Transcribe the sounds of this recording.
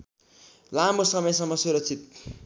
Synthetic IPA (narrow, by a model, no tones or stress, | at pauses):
lamosʌmʌjsʌŋmːʌsuɾʌk̚t͡sʰit̪̚